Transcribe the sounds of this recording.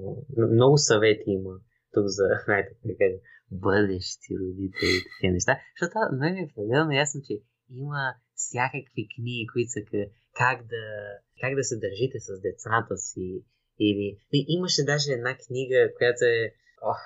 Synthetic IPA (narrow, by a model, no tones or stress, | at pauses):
mnɔɡʊsɐvɛt̪ʰiimə | t̪ukzɐznajt̪ɛkakaʒ | bɤd̪ɛʃt̪ʰḭɾod̪it̪ʰɛlit̪ɐ̥kinɛʃt̪at̪ot̪anɛmiɛpɾɛd̪ɛlˠnojasnot͡ʃɛ | imə | sʲjakəkvikniɡikoit̪sək | kaɡd̪ɐ | kaɡd̪ɐsɛd̪ɐɾʒit̪ɛsɐzd̪ɛt̪sat̪əsiː | liiʔiməʃɛd̪aʒɛɛd̪nakniɡəkojat̪oɛ | o